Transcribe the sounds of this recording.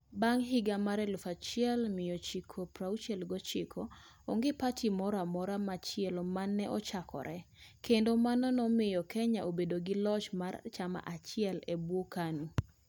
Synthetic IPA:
baŋɦɪɡamaɾɛlʊfat͡ʃɪɛlmɪjɔt͡ʃikʰopɾawt͡ʃɛlɡɔt͡ʃɪkʰo | oŋɡɪpatʰimɔɾamɔɾamat͡ʃɪɛlmanːɛʔɔt͡ʃakʰɔ̰ɾʔɛkendomanɔnɔmɪjɔkʰɛɲaʔobedoɡɪlɔt͡ʃmart͡ʃama̰ʔat͡ʃɪɛlebwokanu

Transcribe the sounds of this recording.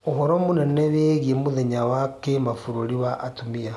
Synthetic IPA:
oɦɔɾɔmonɛnɛβeɣiemoðeɲawakemafuɾoɾiwaʔːtomia

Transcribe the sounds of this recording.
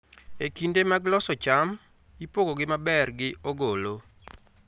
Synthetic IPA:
ekindemaɡlɔsɔt͡ʃam | ipoɡoɡɪmabɛrɡɪoɡolo

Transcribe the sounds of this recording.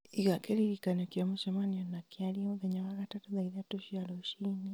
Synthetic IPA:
iɣakeliɾikanokjamuʃamanionakjaliamuðeɲaɣaɣatatuðaiðatoʃialoʃini

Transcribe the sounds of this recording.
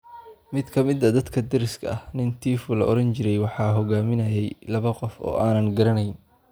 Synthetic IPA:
mɪd̪kʰɐmɪd̪ɐd̪ɐd̪kʰɐd̪ɪɾɪskʰɐɐhnɪnt̪ʰiːfʊlɐʔɔɾɐnt͡ʃɪɾɛjwɑħɑːɦɔɣaːmɪnɐjɛjlɐβɐqɔfɔ̰ːʔaːnɐŋɡɐɾɐnɛjn

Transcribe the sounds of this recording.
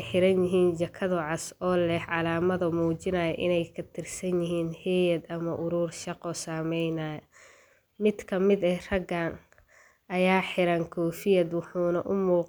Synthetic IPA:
jħɪɾɐnjɪɦiːnt͡ʃɐkʰɐðʊʕɑsɔːlɛhʕɑlaːmɐðɐmuːt͡ʃɪnɐːjɐʔɪnɛjkʰɐt̪ʰɪrsɐnjɪɦiːnhɛːjɐd̪ɐmɐʔʊɾuːrʃɑqɔsaːmɛjnaːjɐ | mɪd̪kʰɐmɪd̪ɛrɐɡaːn | ʔɐjaːħɪɾɐŋkʰɔːfɪjɐd̪wʊħuːnɐʔʊmuːq

